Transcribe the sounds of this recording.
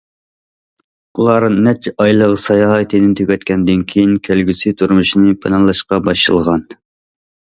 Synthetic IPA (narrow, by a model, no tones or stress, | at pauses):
ulˠɑɾɨnːɛt͡ʃʰɑjlˠəʁsɑjɑːɦt̪ʰɨnɪnt̪ʰøkʲʰɛt̪kʲʰɛnd̪ɪnkʲʰejinkʲʰælɡʲysɪt̪ʰuɾmuʃinɨpʰɨnɑnlˠɑʃqɑbɑʃɨ̰lˠʁɑn